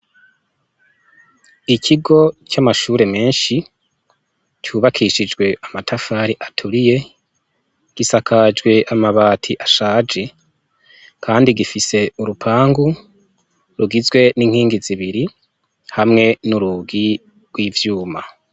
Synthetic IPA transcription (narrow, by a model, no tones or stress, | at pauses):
icʰiɡo̞camaʃuːɾe̞me̞ːnʃi | cuːβakʰiʃid͡ʒɡwe̞ʔamatʰafaːɾiʔatʰuɾije̞ | ɡ̥isakʰad͡ʒɡwe̞ʔamaβaːtʰiʔaʃaːd͡ʒe | kʰaːndiɡifise̞uɾupʰaːŋɡu | ɾuɡizɡwe̞niŋ̥hiːŋɡiziβiɾi | hamŋe̞nuɾuɡi | ɡ̥wiːvjuːma